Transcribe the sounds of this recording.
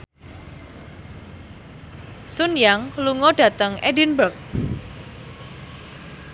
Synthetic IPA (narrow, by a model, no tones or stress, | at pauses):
sʊnjaŋluŋɔɖ̥ä̤t̪əŋedinbərk̚